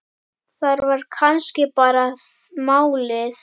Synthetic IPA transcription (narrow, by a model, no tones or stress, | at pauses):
sɐɾʋəɾkʰanʃkepaɾasmawles